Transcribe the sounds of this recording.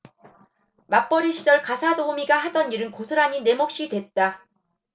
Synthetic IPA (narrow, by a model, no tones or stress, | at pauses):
map͈ʌɾiɕʰid͡ʑʌɭkasʰadohomiɡahadʌɲiɾɯnkosʰɯɾaɲine̞mok̚ɕ͈idwe̞t̚t͈a